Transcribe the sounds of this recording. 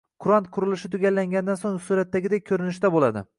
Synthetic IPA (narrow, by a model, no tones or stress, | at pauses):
qʰʊɾant̪qʰʊɾɪlɪʃɪt̪ʰʊɡʲalːaŋɡʲand̪ansoŋsuɾat̪ːaɡʲɪd̪ajkʲʰɵɾɪnɪʃt̪abolad̪ɪ̰